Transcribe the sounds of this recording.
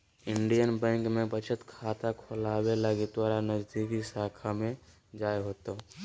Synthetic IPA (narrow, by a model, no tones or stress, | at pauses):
ɪɳɖijənbɛ̃ːŋkmẽpət͡ʃʰət̪kʰaːt̪akʰolaːwelaɡit̪̚d̪waːɾanəd͡ʒd̪ikisaːkʰamẽ | d͡ʒaːjɦoːt̪o